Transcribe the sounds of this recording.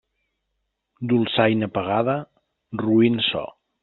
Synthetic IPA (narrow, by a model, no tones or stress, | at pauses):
d̪ulˠsajnəpəɣaðə | ruinsɔ̰